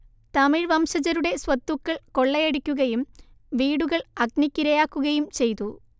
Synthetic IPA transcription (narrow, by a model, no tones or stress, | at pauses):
t̪ɐmiɻʋɐmɕɐd͡ʑɐɾuɽe̞swɐt̪ːukːɐɭko̞ɭːɐjeɽikʲːuɣɐjum | ʋiːɽuɣɐɭɐɡ̚nikʲːiɾɐjaːkːuɣɐjumt͡ɕe̞jt̪u